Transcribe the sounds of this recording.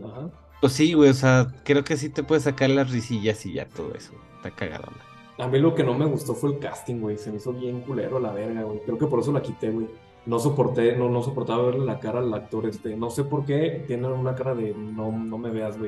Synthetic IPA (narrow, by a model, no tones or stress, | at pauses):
axa | posiɣwejoseakɾe̞okes̬it̪e̞pwees̬akaɾlazrisiʝasiʝa̰t̪oð̞o̞̰e̞̰soest̪akaɣa̰ðo̰na | amilo̞ke̞no̞me̞ɣust̪o̞fwelka̰st̪iŋɡwejse̞meiso̞βje̞ŋkule̞̰ɾo̞laβe̞ɾɣaɣwejkɾeokep̬o̞ɾe̞s̬olakit̪e̞ɣwe̞j | no̞so̞po̞ɾt̪enono̞sopo̞ɾt̪aβaβeɾlelakaɾalak̚t̪o̞ɾest̪e̞no̞se̞po̞ɾke̞t̪je̞nenunakaɾaðe̞no̞no̞me̞βe̞azɣwej